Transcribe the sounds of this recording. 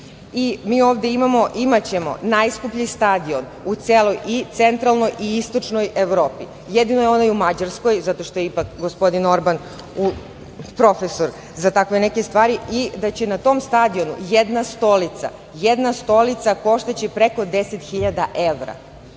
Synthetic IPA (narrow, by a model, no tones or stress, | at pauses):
imiːo̞ːʋd̪e̞imamo̞ʔimat͡ɕe̞mo̞̰najskupʎist̪ad̪io̞n | ut̪seːlo̞jit̪se̞nt̪ɾalˠno̞jʔiist̪o̞t͡ʃno̞je̞ʋɾoːpi | jed̪inojeo̞naiumad͡ʑaɾsko̞jzat̪o̞ʃt̪o̞jeipakɡo̞spo̞d̪ino̞ɾban | u | pɾo̞fesoɾ | zat̪akʋe̞neke̞st̪ʋaːɾiid̪at͡ɕe̞nat̪o̞mst̪ad̪io̞nṵjed̪nast̪o̞lit̪sa̰ | jed̪nast̪o̞lit̪sako̞ʃt̪at͡ɕepɾe̞ko̞d̪e̞set̪xiʎad̪aʔe̞ʋɾa̰